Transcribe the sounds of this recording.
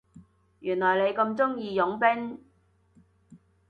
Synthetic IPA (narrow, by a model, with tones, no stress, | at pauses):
jyː˨˩nlɔː˨˩jle˨˧jkɐ˧mt͡sʊ˥ŋjiː˧jʊ˨˥ŋpɪ˥ŋ